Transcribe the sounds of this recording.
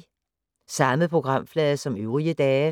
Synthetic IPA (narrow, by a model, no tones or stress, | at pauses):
sɑ̈məðpʰʁo̝ɡ̥ʁɑ̈m̰flɛːðˠɐsɒ̽møʊʁiəd̥ɛː